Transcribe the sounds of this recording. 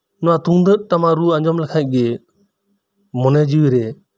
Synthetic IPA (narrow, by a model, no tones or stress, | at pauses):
nɔat̪ũd̪ət̚ʈamaɾuãɲd͡ʒɔmlɛkʰãʔ̚ˀɡɛ | mɔnɛd͡ʒiwiɾɛ